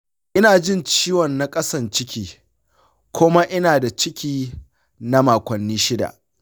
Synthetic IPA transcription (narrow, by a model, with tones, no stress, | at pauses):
ʔɪ˦naː˨d͡ʒɪ˦nt͡ʃiː˦wɔ˨nːa˨kʼɐ˦sɐ˨nt͡ʃɪ˦kʲiː˦ | kʷʊ˦ma˦ʔɪ˦naː˨da˨t͡ʃɪ˦kʲiː˦ | na˦maː˨kʷɐ˨nːiː˦ʃɪ˦da̰˨ʔ